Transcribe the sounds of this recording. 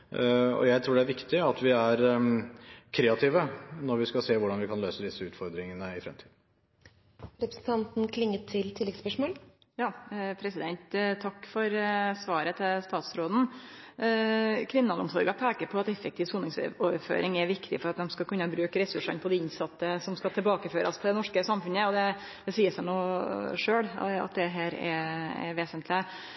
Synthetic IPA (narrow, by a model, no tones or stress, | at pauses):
ɔ̰jæɪt̪ʰɾuːɖɛæɾʋɪkt̪ɪɑt̪ʋɪæɾ | kʰɾeːɑt̪ʰiːʋənɔɾʋɪskɑseːʋʊɖɑnʋɪkʰɑnløːsəd̪ɪsːəʉːt̪fɔɾd̪ɾɪŋənəɪfɾɛ̰mt̪ʰiːd̪n̩ | ɾɛpɾəsn̩t̪ɑnt̪n̩kʰlɪŋːət̪ʰːɪlt̪ʰɪlɛɡspœʂmoːl | jɑːpʰɾɛsɪd̪ɛnt̪t̪ʰɑkːfɔɾsʋɑːɾət̪ʰɪlst̪ɑːt̪sɾoːd̪n̩ | kʰʋɪnːɑlɔmsɔɾɡɑpʰæːkəɾpʰɔɑt̪ɛfːɛkt̪iːʋsuːnɪŋsoːʋəɾfø̰ːɾʔɪŋɛɾʋɪkt̪ɪ̰fɔɾɑt̪̚d̪ɛmskɑkʰʉnːəbɾʉːkɾɛsʉʂɑnpʰɔd̪ɛɪnsɑt̪ːəsɔmskɑt̪ʰɪlbɑːkəføːɾʔɑ̰st̪ʰɛd̪ɛnɔʂkəsɑmfʉnəɔd̪ɛ | d̪̥ɛsiːəsənuːʂøːɽɑ̰t̪̚d̪ɛɦæːɾɛ̰ɛ̰ɾʋeːsənt̪ʰlɪə